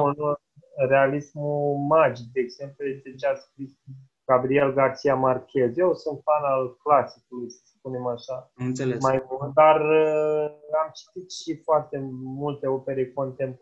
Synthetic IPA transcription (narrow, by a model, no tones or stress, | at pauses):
n | re̞alismumad͡ʒik̚d̪e̞ːɡz̥e̞mplujest̪et͡ʃeaskɾis | ɡ̥abɾie̞lɡart̪sijamarkʲe̞zje̞wsunt̪fanalklasikulujsə̥spune̞maʃanesmajmuld̪ar | amt͡ʃi̥t̪it̪ʃifoart̪e̞mult̪e̞o̞pe̞ɾe̞ko̞nt̪e̞mp